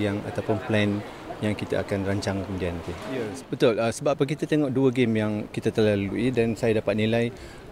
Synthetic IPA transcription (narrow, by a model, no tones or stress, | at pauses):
jaŋa̰t̪awpʊnplɛn | jaŋkit̪a̰ʔakanraɲt͡ʃaŋkəmudiant̪eɛsbət̪ʊləsəbaʔpːək̬it̪at̪eŋɔʔduəɡemjaŋkit̪at̪əlaluidansajadapat̪̚nilaj